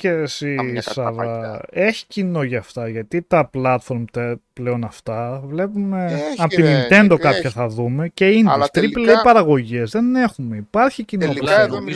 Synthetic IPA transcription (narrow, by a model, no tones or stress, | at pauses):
ceːsisɐvɐe̞çi̥cino̞ʝɐːft̪ɐʝɐt̪it̪ɐplɐt̪fo̞ɾmt̪epleo̞nɐft̪ɐvle̞pume̞ɐt̪inint̪e̞nd̪o̞kɐpçɐθɐðume̞ce̞int̪ɾipleipɐɾɐɣo̞ʝizðe̞ne̞xume̞ipɐɾçicinooso